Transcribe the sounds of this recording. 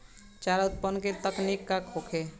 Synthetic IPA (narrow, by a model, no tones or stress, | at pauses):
t͡ʃaɾət̪̚pənket̪əknikːakʰokʰe